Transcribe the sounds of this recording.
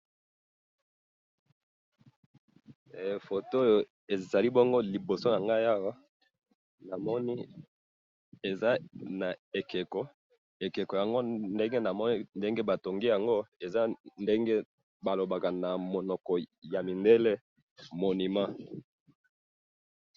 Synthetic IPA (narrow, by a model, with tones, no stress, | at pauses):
fo˨to˦jo˨ | e˨za˨li˦bo˦ŋɡo˦li˨bo˨so˦na˨ŋɡa˦ja˦wa˦ | na˨mɔ˦ni˦ | e˨za˦na˨e˨ke˨kɔ˦ | e˨ke˨kɔ˨ja˨ŋɡo˦nde˦ŋɡe˦na˨mɔ˦ni˦nde˦ŋɡe˦ba˨to˨ŋɡe˦ja˨ŋɡo˦e˨za˦nde˦ŋɡe˦ | ba˨lo˨ba˨ka˨na˨mo˨nɔ˨kɔ˨ja˨mi˨nde˦le˦ | mo˨ni˨ma˦